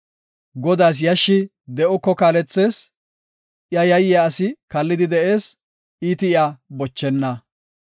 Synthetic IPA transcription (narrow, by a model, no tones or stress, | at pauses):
ɡɔd̪aːs̬jɐʃːɪ | d̪ɛʔɔkːɔkaːlɛt͡sːe̞ːs | ɪjɐjɐjɪjaːsɪkɐlːɪd̪ɪd̪ɛʔe̞ːs | iːt̪ɪɪabɔt͡ʃːɛnːɐ